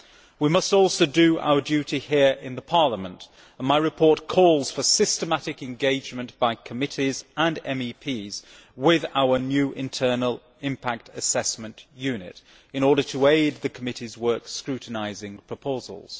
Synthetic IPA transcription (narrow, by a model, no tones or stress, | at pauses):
wimʌstɔˑlˠsoʊdəa̰ʊə˞djʉɾihiəɹʔɪ̃nðəpʰɑɹləmə̃nt | ə̃nmaɪɹɨpʰɔɹˑt̚kʰɔːlˠz̥fə˞sɪstəmaɾɪkɛ̃nɡeɪd͡ʒmə̃nʔb̥aɪkʰəmɪɾizə̃nɛ̃mipʰiːz̥ | wɪðaʊə˞njʉːʔɪ̃ntʰɜ˞nəl̩ˠ | ɪ̃mpʰak̚tʰəsɛsmə̃nʔjʉːnɪ̰t | ɨ̃ñɔːɾətʰəeɪd̪̚ðɨkʰəmɪɾizwɜˑ˞kskɹʉˑʔn̩aɪzɪ̃ŋpʰɹ̥əpʰoʊzə̰lˠz̥